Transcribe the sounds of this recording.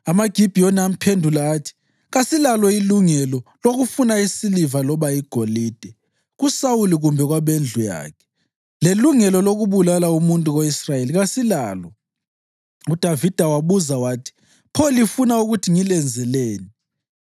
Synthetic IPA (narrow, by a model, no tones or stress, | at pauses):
amaɡ̥ʱib̥ʱijoniam̩pʰendʱulaːtʰi̥ | ɣasilalɔiluŋɛlɔloɣufunaisilivalɔβaiɡ̥ʱoliːd̥ʱɛ | ɣusawuliɣumbʱɛɣwaβend͡ɮʱuja̰ːkʰɛ̥ | leluŋɛlɔloɣuβulalaumuntʼuɣoisrajeliɣasilaːlɔ | ud̥ʱavid̥ʱawaβuzawaːtʰi̥ | pʰolifunauɣutʰiŋilɛnd͡zʱɛleːni